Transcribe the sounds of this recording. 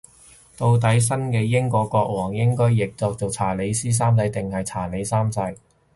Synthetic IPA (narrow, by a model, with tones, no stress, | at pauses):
t̪o˧wt̪̬ɐ˨˥js̬ɐ˥nkɛː˧jɪ˥ŋkɔː˧kːɔː˧k̚wɔː˨˩ŋjɪ˥ŋkɔː˥jːɪ˨k̚t͡sɔː˧k̚t͡so˨wt͡sʰaː˨˩le˨˧˥jsiː˥s̬aː˥mt͡sɐ˨˧jt̪ɪ˨ŋhɐ˨jt͡sʰaː˨˩le˨˧jsaː˥mt͡sɐ˨˥j